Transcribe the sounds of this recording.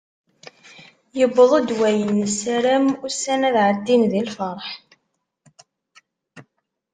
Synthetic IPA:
jəbəðˤod̪wæjənːəsæɾæmʊsænæðʕəd̪ːinðilfəɾˤħ

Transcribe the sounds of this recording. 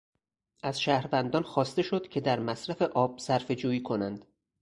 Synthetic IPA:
ʔæz̥ʃæːhɾvænd̪ɒːnxɒːst̪e̞ʃo̞d̪̥cʰe̞d̪æɾmæsɾæfe̞ʔɒːb̥̚sæɾfe̞d͡ʒuːjiːkʰo̞nænd̪̥

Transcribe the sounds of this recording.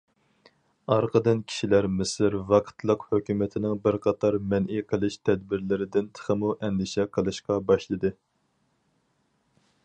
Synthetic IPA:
ɑɾqʰəd̪ɨnkʲʰi̥ʃilæɾmɪsɪɾvɑqʰə̥t̪ʰlˠəqhøkʲymɪt̪ʰɪnɪŋbɪɾqʰɑt̪ʰɑɾmɛnʔiqʰəlˠɨʃt̪ʰɛd̪̚bɪɾlɪɾɪd̪ɪnt̪ʰə̥χəmuʔɛŋd̪ɪʃɛqʰəlˠɨʃqɑbɑʃlˠɨd̪ɨ

